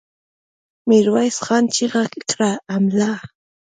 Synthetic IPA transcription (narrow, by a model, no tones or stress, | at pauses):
mɪɾwajsɢɑnt͡ʃiɢɑkikɾaamla